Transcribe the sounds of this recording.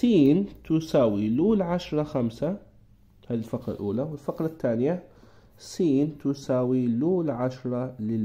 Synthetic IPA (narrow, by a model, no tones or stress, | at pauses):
siːnt̪ʊsaːwiluːlʕaʃɾˤɑxamsa | haːðilfaqɾa̰lʔuːlawɪlfaqlat̪ːaːnɪja | siːnt̪ʊsaːwiluːlʕaʃɾˤɑlɪl